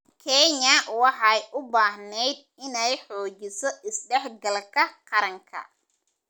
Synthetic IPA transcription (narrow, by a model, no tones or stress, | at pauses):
kʰɛɲɐwɑħɑjʔʊbaːɦnɛjd̪̚ɪnɛjħɔːt͡ʃɪsɔʔɪsɖɛħɡɐlkʰɐqɑɾɐŋkʰɐ̰